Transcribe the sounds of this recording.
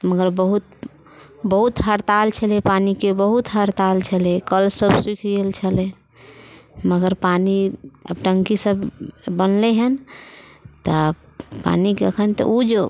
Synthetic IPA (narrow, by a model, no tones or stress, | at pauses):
məɡəɾbəɦut̪̚ | bəɦut̪ɦəɾt̪alt͡ʃʰəlepanikebəɦut̪ɦəɾt̪alt͡ʃʰəlekəlsəbswikʰɡelt͡ʃʰəle | məɡəɾpaniəbʈəŋkisəbːənleɦən | t̪ə | pa̰nikeəkʰənt̪ə̰ud͡ʒe